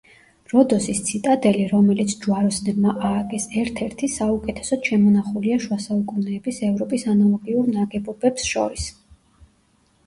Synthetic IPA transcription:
ɾɔd̪ɔsist̪sʰit̪ʼad̪ɛliɾɔmɛlit̪sʰd͡ʒuaɾɔsnɛlmaʔaːkʼɛsɛɾt̪ʰɛɾt̪ʰisaukʼɛt̪ʰɛ̥sɔd̪ʃɛmɔnaχuliaʃwasaukʼunɛːbisɛvɾɔpʼisanalˠɔɡiuɾnaɡɛbɔbɛpsʃɔ̰ɾis

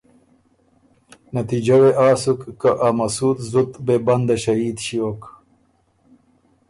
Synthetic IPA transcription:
nɐt̪id͡ʒɐweʔaːsukːaʔamɐsuːt̪zut̪bebɐnd̪ɐɕɐiːd̪ɕioːk

